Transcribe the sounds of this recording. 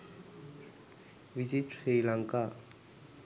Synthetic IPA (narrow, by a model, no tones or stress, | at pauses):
ʋizit̪sɾijlaŋka